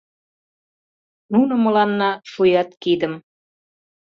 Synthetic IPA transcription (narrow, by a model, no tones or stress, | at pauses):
nunə̆mə̆lɑnːɑʃujɑt̪kid̪əm